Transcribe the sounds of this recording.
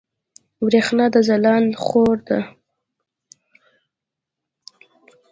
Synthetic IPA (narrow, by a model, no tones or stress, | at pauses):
wɾexnɑd̪əzalɑnχoɾd̪a